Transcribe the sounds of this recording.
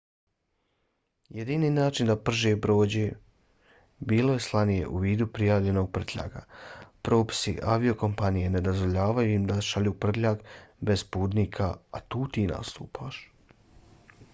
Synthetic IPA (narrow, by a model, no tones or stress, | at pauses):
jed̪iniːnaːt͡ʃind̪apr̩ʒepɾo̞ːd͡ʑe | biːloje̞slˠanije̞̰ʔuʋiːd̪upɾijaːʋʎe̞no̞ːɡ̚pr̩t̪ʎʲa̰ːɡa̰pɾoːpi̥sḭʔaʋio̞ko̞mpanije̞ne̞d̪ozʋo̞ʎaːʋajuimd̪aʃaʎuːpr̩t̪ʎaːkbe̞zpuːd̪niːkʰaːt̪uːt̪iːna̰st̪uːpʰaːʃ